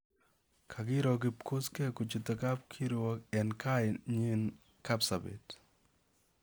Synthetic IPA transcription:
kʰaɡɪ˦ɾɔ˨ɡɪ˨p̚ko˦ske˦ko˨t͡ʃu˨t̪o˨ka˦p̚kʰi˦ɾɔ˦kɛ˨nka˦jɲi˦n | ka˦psabḛ˨t

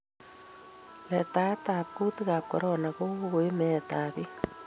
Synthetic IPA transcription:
le˨ta˦ta˨ku˦tiɣa˨ko̰˨ɾona˨ɣo˦ɣo˨e˦me˨t̪a˨βi˦

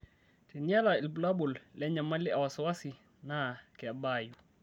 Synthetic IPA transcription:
ti˨ni˦a˦la˨ɪ˨lbu˨la˦bu˨llɛ˦ɲa˨ma˦lɪ˦a˨wa˨sɔ˨wa˦si˨ | na˦kɛ˨a˨baju

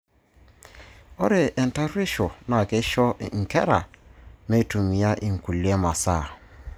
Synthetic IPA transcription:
ɔ˦ɾe˨ʔɛ˨n˨ta˦ɾi˦ʃɔ˨na˨ke˦ʃɔ˦˨ŋ̩˨kɛ˦ɾa˨me˦˨tu˨mi˨a˦ʔi˨ŋ̩˨ku˨lje˦ma˨sa˦˨

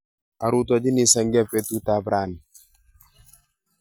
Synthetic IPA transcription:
a˨ɾu˦tɔ˨d͡ʒi˦ni˨sa˨ŋɡɛ˦pɛ˦tu˦ta˨bɾa˦˨n˨

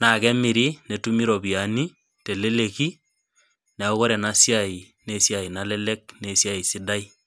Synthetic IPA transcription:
na˨kɛ˦mɪ˨ɾi˦ne˨tu˦mi˦ɾɔ˨pi˨a˨ni˦ | te˨le˦le˨ki˦ | na˨o˦ɣɔ˦ɾɛ˨nasja˨i˨ | ne˨sja˨i˨na˦lɛ˦lɛ˦k̚ne˨sja˦i˨sɪ˦da˦i˦

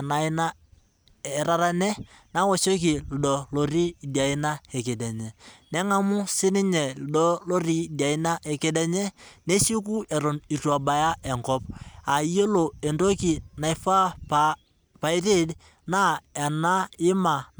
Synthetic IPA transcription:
na˨˦na˦ | ɛ˨ɾa˨ɾa˦nɛ˦na˦wɔ˦so˦k̬i˨l̩˨dɔ˨lo˨ɾi˦˨di˨a˨ɪ˦na˦ɛ˨ke˨dɛ˨ɲɛ˨nɛ˦ŋa˦mu˦sɪ˦nɪ˦ɲɛ˨ldɔ˦lo˦ɾi˦˨di˨a˨ɪ˦na˦ʔɛ˨ke˦dɛ˦ɲɛ˦ne˦si˦ku˦ɛ˨ɾɔ˨ni˨tu˨a˨ba˨ja˦ɛ˨ŋkɔ˦p̚a˨i˦jo˦lo˨e˨ndo˦ki˨na˨ɪ˨fa˦pa˨ | pa˨i˦ɾe˦d | na˦ɛ˨na˦ɪ˦ma˨

